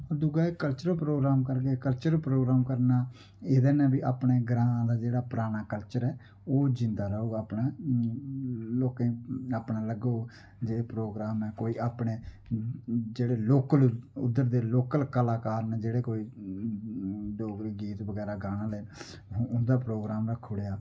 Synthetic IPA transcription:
od̪ʊɡaːeːkəlt͡ʃəɾpɾoːɡɾaːmkəɾkeːkəlt͡ʃəɾpɾoːɡɾaːmkəɾnaː | eːd̪eːnɛ̃ːbiːʔaːpɳeːɡɾãːd̪aːd͡ʒeːɽaːpəɾaːñaːkəlt͡ʃəɾɛː | oːd͡ʒɪ̃nd̪aːɾəoːɡaaːpnaː | loːkẽaːpɳãːləɡoː | d͡ʒeːɽeːpɾoːɡɾaːmɛːkoːiːʔaːpɳeː | d͡ʒeːɽeːloːkəlʊ̰d̪ːəɾd̪eːloːkəlkəlaːkaːɾneːd͡ʒeːɽeːkoːiː | d̪oːɡɾeɡiːt̪ʋəɡɛːɾaːɡaːnãːleː | ɦʊnd̪aːpɾoːɡɾaːmɾakʰːʊɽejaː

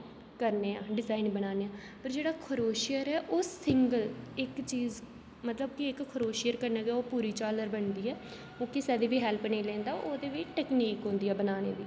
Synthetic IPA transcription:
kəɾneːãːɖɪzaːinbənaːneːãː | pəɾd͡ʒeːɽaːkʰəɾoːʃijəɾɛːʔoːsɪŋɡəlɪkt͡ʃiːz | mət̪ləbkɪɪkʰːʊɾoːʃɪjəɾkəɾnaːɡoːpuːɾiːt͡ʃaːləɾbəɳd̪iːɛː | õːkɪsɛːd̪eːʋiːɦɛlpnẽːlɛ̃ːnd̪aːoːd̪eːʋɪʈɛːkniːkɦõːnd̪iːɛːbənaːnḛːd̪iː

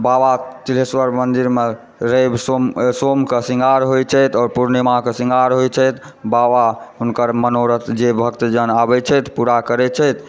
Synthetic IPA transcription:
babat͡ʃ̪ileswəɾmənd̪iɾme | ɾebsomsomkesiŋɡʱaɾɦojt͡ʃʰɛjt̪ɔːɾpuɾnimakesiŋɡʱaɾɦojt͡ʃʰɛjt̪ | babaɦunkəɾmənoɾət̪d͡ʒebʱəkt̪d͡ʒənabɛt͡ʃʰɛt̪puɾakəɾɛt͡ʃʰɛt̪ʰ

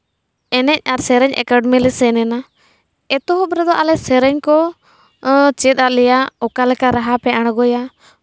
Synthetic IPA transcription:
ɛnɛc̚ˀaɾsɛɾɛɲʔɛ̰kəɖmɛlɛsɛnɛna | ɛt̪ɔɦɔbɾɛd̪ɔʔalɛsɛɾɛɲkɔ | t͡ʃɛt̪̚ˀalɛjaɔkalɛkaɾaɦapɛaɽ̃ɡɔja

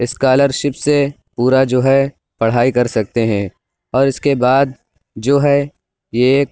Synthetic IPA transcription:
ɪskaːləɾʃɪpse | puːɾad͡ʒoːɦɛ | pɐɽ̤aːikɐɾsɐk̚t̪eɦɛ̃ | ɔːɾɪskebaːd̪̚ | d͡ʒoːɦɛ | jeːk

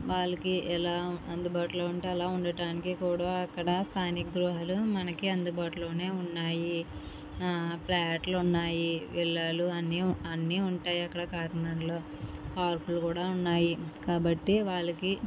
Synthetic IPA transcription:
ʋaːɭːɐkiɛlaːɐnd̪ubaːʈuloːuɳʈeɛlaːuɳɖɐʈaːnikikuːɽaːɐkːɐɽɐst̪ʰaːnikɐɡ̪ɾuːɦɐlumɐnɐkiɐnd̪ubaːʈulo̞ːne̞ːunːaːji | plɐjaːʈluunːaːjiʋɛɭːaːluɐnːiɐnːiuɳʈaːjiɐkːɐɽɐkaːɾɐnɐɳloː | paːɾpulukuːɽaːunːaːjikaːbɐʈːiʋaːɭːɐki

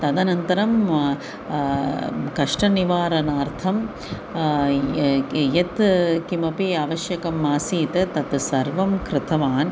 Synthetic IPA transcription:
t̪ɐd̪ɐnɐnt̪ɐɾɐm | kɐʂʈɐniʋaːɾɐnaːɾt̪ʰɐm | jɐt̪kimɐpiaːʋɐʃjɐkɐmːaːsiːt̪ɐt̪ɐt̪sɐɾʋɐmkɾɪt̪ɐʋaːn

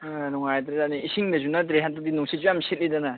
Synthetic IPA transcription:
nɔŋajt̪ɾedaniisiŋdɐzunat̬ɾeɦantadinɔŋsʰit̚d͡ʒujamset̚lidana

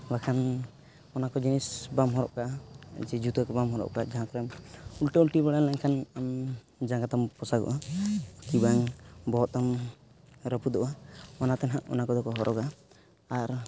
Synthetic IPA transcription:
bakʰan | ɔnakɔd͡ʒinisbamɦɔɾɔ̰ʔkad͡ʒɛd͡ʒut̪əkɔbamɦɔɾɔ̰ʔkad͡ʒaɦãk̪ɔɾɛmulʈiulʈibaɽanlaŋkʰanam | d͡ʒaŋɡat̪ampɔsaɡɔ̰ʔakibaŋbɔɦɔt̪am | ɾəpud̪ɔʔamanat̪ɛnɦaʔɔ̰nakɔd̪ɔkɔɦɔɾʔɔɡaː | ɾ

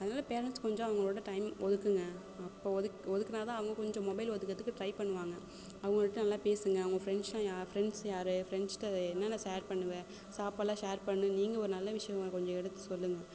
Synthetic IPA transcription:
ɐðɐnaːlɐpeːɾɐnʈskɔɲd͡ʒɔ̃ːɐʋɐŋɡɐɭoːɽɐʈɐɪmʔɔðɯkːɯŋɡɐː | pːoːɔðɯkɔðɯkːɐnaːt̪ãːɐʋɐŋɡɐkɔɲd͡ʒɔ̃mɔbɐɪlʋɔðɯkːɾɐðɯkːɯʈɾɐɪpɐɳːɯʋaːŋɡɐ | ɐʋɐŋɡɐɭʈːɯnɐlːaːpeːsɯŋɡɐːʋɐŋɡɐfɾɛɳslãːjaːfɾɛɳɖsjaːɾɯfɾɛɳsʈɐɛnːɐːnãːʃeːɾpɐɳːɯʋẽ | saːpɐlãːʃeːɾpɐɳːɯniːŋɡɐɔɾɯnɐlːɐʋɪʂɐjɐ̃ɡɐkɔɲd͡ʒɔ̃ɛɽɐt̪ːɯ̥sɔlːɯŋɡɐ

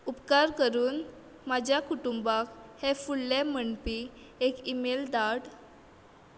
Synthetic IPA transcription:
upkaɾkəɾuːn | mad͡ʑʱjakuʈumbakhɛfulːɛməɳpi | ekimeld̪aɽ

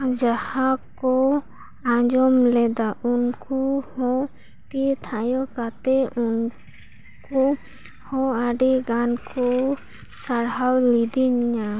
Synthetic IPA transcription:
d͡ʒahãkɔ | ãd͡ʒɔmlɛd̪aʔunkuhɔ̃ | t̪it̪ʰajɔkat̪ɛʔun | kɔ | hɔ̃aɖiɡankɔ | saɽɦawlid̪iɲa

